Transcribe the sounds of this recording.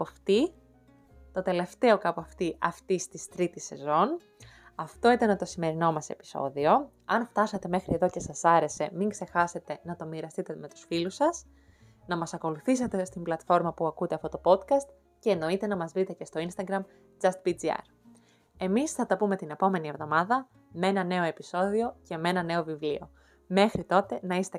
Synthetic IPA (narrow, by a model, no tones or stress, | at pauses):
poft̪i | t̪o̞t̪e̞le̞ft̪e̞o̞kɐpɐft̪iʔɐft̪ist̪ist̪ɾit̪isːe̞zo̞n | ɐft̪o̞it̪ɐnɐt̪o̞sime̞ɾino̞mɐse̞̰pi̥so̞̰ðio̞ | ɐnft̪ɐsɐt̪e̞me̞xɾieðo̞ce̞sɐsɐɾe̞se̞miŋɡse̞xɐse̞t̪e̞nɐt̪o̞miɾɐst̪it̪e̞me̞t̪u̥sfilusɐs | nɐmɐsɐko̞luθis̬ɐt̪e̞st̪imblɐt̪fo̞ɾmɐpuɐkut̪e̞ɐft̪ot̪o̞po̞t̪kɐst̪ | ce̞ːno̞it̪e̞nɐmɐzvɾit̪e̞ce̞st̪o̞inst̪ɐɡɾɐm | d͡zɐst̪pid͡ziɐ̰ɾ | emisθɐt̪ɐpume̞t̪ine̞po̞me̞nie̞vðo̞mɐðɐ | mee̞nɐne̞o̞e̞piso̞ðio̞ce̞me̞nɐne̞o̞vivlio̞̰ | me̞xɾit̪o̞t̪e̞nɐist̪e